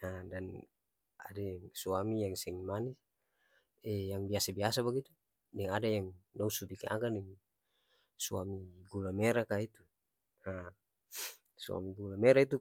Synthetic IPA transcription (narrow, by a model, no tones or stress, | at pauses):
adan | a̰dajaŋsuamijaŋsɛŋmani | ɛjaŋbiasabiasabaɡit̪u | nɛŋadajaŋdɔusubikaʔa̰kadɛŋ | sua̰miɡulamɛɾakait̪u | a | sua̰miɡulamɛɾait̪u